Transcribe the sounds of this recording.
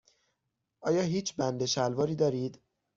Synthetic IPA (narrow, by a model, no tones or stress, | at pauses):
ʔɒːjɒːɦiːt͡ʃʰbænd̪eʃælvɒːɾiːd̪ɒːɾiːd̪